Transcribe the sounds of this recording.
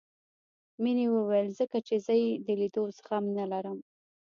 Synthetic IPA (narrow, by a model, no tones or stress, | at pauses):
minewəwajəlzəkat͡ʃezəjed̪əlid̪osə̥xamnalaɾəm